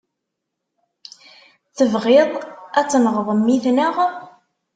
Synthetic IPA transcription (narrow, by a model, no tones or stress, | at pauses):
θəvʁeɪðˤæt͡sːnəʁðˤəmːiθnaʁ